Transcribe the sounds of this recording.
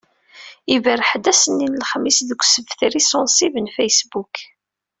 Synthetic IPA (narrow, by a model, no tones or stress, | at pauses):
ivəɾħəd̪æsənːinəlχmːisðəɡʷsəvθɾisɔnsivənfæjsbuk